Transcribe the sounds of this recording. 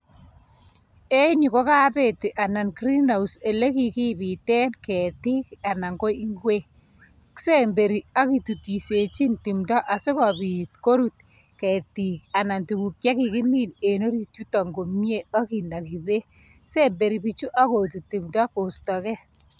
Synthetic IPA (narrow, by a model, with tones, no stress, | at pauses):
e˦ɲu˨ko˦ka˦pe˨ti˨ʔa˨na˨nkɾi˦na˨use˨le˦ki˨ki˦pi˨tɛ˦nkɛ˨ti˦ka˨na˨ŋɡo˦i˦ŋɡwe˦ | kse˦mbe˨ɾi˨a˦ki˨tu˨ti˨se˨t͡ʃi˦nti˨mdɔ˦ʔa˨sɪ˦kɔ˨bi˨tko˦ɾu˦t̚ | kɛ˨ti˨ka˨na˨ntu˨ku˨kja˦ki˨kɪ˦mi˦ne˨no˦ɾi˨tu˦tɔ˨ŋɡo˨mje˦a˦ki˨na˨ki˨be˦ | kse˦mbe˨ɾi˨bi˦t͡ʃu˦ʔa˦ko˨tu˨ti˨mdɔ˦ko˨stɔ˨kɛ˦